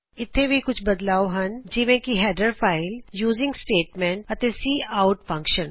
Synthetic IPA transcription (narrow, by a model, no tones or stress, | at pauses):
ɪt̪ʰːẽbʱikʊt͡ʃʰbɐd̪laːoɦɐnd͡ʒɪʋẽkiɦɛːɖəɾfʰaːɪljuːzɪ̃ŋɡsʈeːʈmẽːɳʈɐt̪ẽsiːaːʊʈfɐ̃ŋkʃə̃n